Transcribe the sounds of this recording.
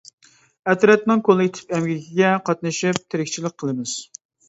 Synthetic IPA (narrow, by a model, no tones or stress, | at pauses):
ɛt̪ɾɛt̪̚nɪŋkʰolˠɨit̪ʰɪ̥pɛmɡʲikʲiɡʲɛqʰɑt̪nɨʃip̚t̪ʰɪɾɪkʲt͡ʃʰilɪk̚ʲqʰəlˠɨmɪz̥